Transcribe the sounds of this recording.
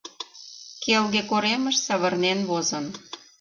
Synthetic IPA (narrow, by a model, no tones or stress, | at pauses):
kelɣekoɾeməʃsɑβərnenβozən